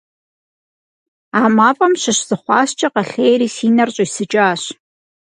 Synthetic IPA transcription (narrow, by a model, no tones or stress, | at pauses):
aːmaːpʼɐmɕɪɕz̥ɨχʷɑːɕt͡ʃʼɐqɐɬeːjɾiːsiːnɐrɕʼɪisɨt͡ʃʼaːɕ